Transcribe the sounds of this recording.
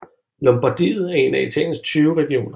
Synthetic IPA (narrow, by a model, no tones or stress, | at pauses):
lɒ̽mb̥ɑ̈d̥ḭːð̞̩ˠæɐe̝næit͡sʰɛ̰ɪn̩st͡sʰyːʊʁɛɡ̥io̝̰ːnɐ